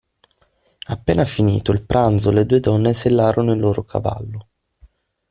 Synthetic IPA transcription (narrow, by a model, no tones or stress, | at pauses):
apːeːnafinḭːt̪oilpɾʔand̪zoled̪uːed̪ɔnːeselːaːɾonoilːoːɾokʰa̰va̰lːo